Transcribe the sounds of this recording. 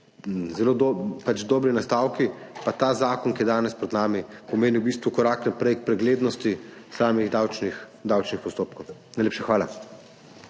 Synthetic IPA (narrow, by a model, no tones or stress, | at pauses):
zɛloːd̪pat͡ʃd̪ɔːbɾinast̪aːwkipat̪aːzaːkɔnkijɛd̪aːnɛspɾɛd̪naːmipɔmeːniwbist̪ʋukɔɾaːknapɾɛjk̚pɾɛɡleːd̪nɔst̪isaːmiɣd̪awt͡ʃnix | d̪awt͡ʃnixpɔst̪oːpkɔwnajleːpʃɛxʋaːla